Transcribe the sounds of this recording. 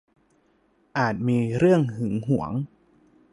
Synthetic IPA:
ʔaː˨˩t̪̚miː˧ɾɯ˥˩əŋhɯ˩˦ŋɦu˩˦əŋ

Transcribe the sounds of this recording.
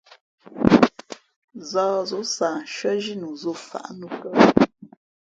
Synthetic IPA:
zɔː˦˨zo˨˦sa˨ʃɥə˦ʒi˦nu˨zo˦˨fa̰˨ʔnu˦˨kə˦˨

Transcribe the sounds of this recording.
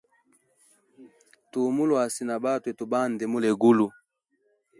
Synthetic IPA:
tu˨mu˦lwa˨si˨na˨ba˦˨tu˨ɛ˨tu˨ba˦˨ndɛ˨mu˦lɛ˨ɡu˦lu˨

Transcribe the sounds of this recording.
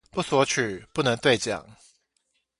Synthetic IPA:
pu˥˩swɔ˧˥t͡ɕʰy˨˩pu˥˩nə˧˥ŋt̪we˥˧ɪt͡ɕjɑ̰˨˩˦ŋ

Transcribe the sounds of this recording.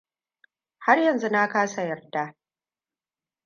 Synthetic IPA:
ha˦rjɐ˨nzu˦na˦kaː˦sa˨jɐ˨rda˦

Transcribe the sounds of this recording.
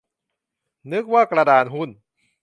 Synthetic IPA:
nɯ˦˥k̚waː˥˩kɾa˧daː˧nɦu˥˩n

